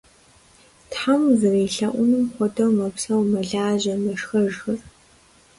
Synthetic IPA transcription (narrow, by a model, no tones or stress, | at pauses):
tħamzɨriːɬɐʔʷʊnɨmχʷɔdʰɐwmɐpsɐwmɐɮaːʑɐmɐʂxɐʒxɐr